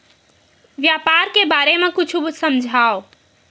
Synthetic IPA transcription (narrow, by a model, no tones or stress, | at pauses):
ʋjapaɾkebaɾemekʊt͡ʃʰubusəmd͡ʒʱao